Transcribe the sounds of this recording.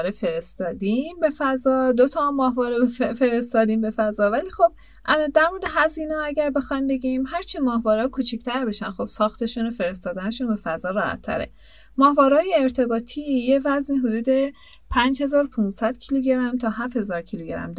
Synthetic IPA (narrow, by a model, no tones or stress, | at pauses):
ɾefe̞ɾest̪ɒːd̪imbe̞fæzɒːd̪ot̪ʰɒmɒːhvɒːɾebfe̞ɾest̪ɒːd̪iːmbe̞fæzɒːvæliːxob̥̚ | ʔæd̪æɾmoɾd̪e̞ɦæziːnɛæɟæɾbe̞xɒjmbe̞ɡimhæɾt͡ʃʰimɒːhvɒːɾɒkʰut͡ʃʰicʰt̪ʰæɾbe̞ʃænxo̞b̥sɒːxt̪ʰe̞ʃuːnofe̞ɾe̞s̬t̪ɒːd̪æne̞ʃunbe̞fæzɒːɾɒːhæ̰t̪ʰːæ̰ɾḛ | mɒːhvɒːɾɒːjeːɾt̪ʰe̞bɒːt̪ʰijevæzniɦod̪uːd̪e̞ | pʰænd͡ʒhe̞zɒːɾopʰunsæd̪̥cʰiluɟeɾæmt̪ʰɒːɦæfhe̞zɒːɾcʰiluɟeɾæ̰md̪